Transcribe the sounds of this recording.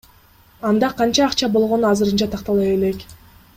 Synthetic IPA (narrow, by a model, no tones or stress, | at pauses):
ɑnd̪ɑqʰɑnt͡ʃɑːqt͡ʃɑbo̞lˠʁo̞nuɑzɯɾɯnt͡ʃɑt̪ʰɑqt̪ɑlˠɑje̞le̞k